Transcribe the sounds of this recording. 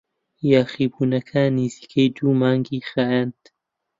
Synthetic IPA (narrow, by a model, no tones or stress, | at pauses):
jaːxiːbuːnɐkʰaniz̥iːkʰejd̪uːmaːŋɡiːxaɛnt̪